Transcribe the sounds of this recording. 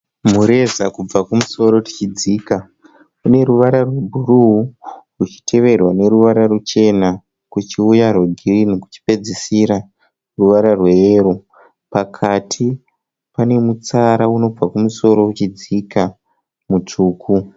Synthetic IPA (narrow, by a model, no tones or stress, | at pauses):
m̤uɾe̞zakub͡vakumuso̞ɾo̞rut͡ʃid͡ziːka | une̞ɾuʋaɾarwe̞bʱuruurut͡ʃi̥tʰe̞ʋe̞rwane̞ɾuʋaɾarut͡ʃe̞na | kut͡ʃiujarweɡʱirineku̥t͡ʃi̥pe̞d͡zisiɾa | ruʋaɾarweeːɾu | pakʰatʰi | pane̞mut͡saɾauno̞b͡vakumuso̞ɾo̞ut͡ʃid͡zika | mut͡ʂuːkʰu